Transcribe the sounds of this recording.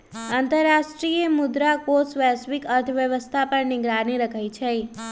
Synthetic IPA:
ənt̪əɾːaʃʈɾiemʊd̪ɾakosʋasʋikəɾt̪ʰəʋjəʋəst̪ʰapəɾniɡɾaniɾəkʰajt͡ʃʰe

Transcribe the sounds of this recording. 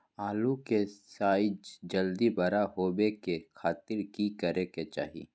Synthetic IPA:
aːlukesaːd͡ʒd͡ʒəld̪ibɐɾahoːbekekʰaːt̪ɪɾkikəɾeket͡ʃa̰ːɦḭ

